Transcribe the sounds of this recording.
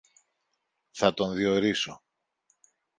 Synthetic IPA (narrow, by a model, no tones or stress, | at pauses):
θɐt̪o̞nðio̞ɾiso̞